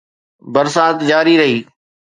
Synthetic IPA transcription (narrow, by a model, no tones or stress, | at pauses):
bəɾsaːt̪d͡ʒaːɾiɾɐɦiː